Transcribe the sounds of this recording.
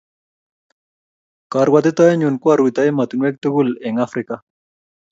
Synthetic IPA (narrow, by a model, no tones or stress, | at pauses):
kaɾɡwat̪et̪aeɲunkuaɾuit̪aemat̪unwek̚t̪uɡuleŋafɾika